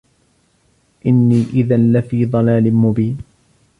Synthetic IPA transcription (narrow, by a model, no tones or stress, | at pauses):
ʔɪnːiːʔɪðanlafiːðˤɑlaːlɪmʊbiːn